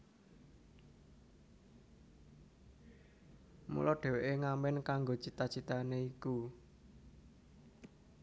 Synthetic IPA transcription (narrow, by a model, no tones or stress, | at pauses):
mṵlɔɖ̪̥ɛ̤weʔeŋamɛnkaŋɡot͡ʃit̪at͡ʃit̪aneiku